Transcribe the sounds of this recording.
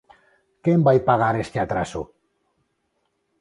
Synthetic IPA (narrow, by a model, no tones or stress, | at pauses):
kembajpaɣ̞aɾest̪eat̪ɾasṵ